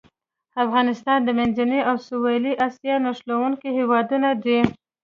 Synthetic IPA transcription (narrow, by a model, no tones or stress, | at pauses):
afɣɑnɪst̪ɑnd̪əmanzaneawsuwɑliʔɑsjɑnaʃlawuŋkihewɑd̪unad̪i